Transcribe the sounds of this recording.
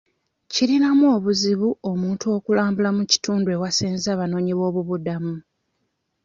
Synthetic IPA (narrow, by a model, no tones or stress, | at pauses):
ciɾinamuo̞ːβuziβuo̞muːntuo̞ːkulaːmbulamuci̥tuːndue̞wasiːnzaːβano̞ːɲiβo̞ːβuβudamu